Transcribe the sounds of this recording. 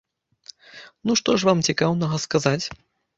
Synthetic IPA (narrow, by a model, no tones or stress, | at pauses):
nuʂt̪ɔʂvamt͡sʲikawnɐɣɐskazat͡sʲ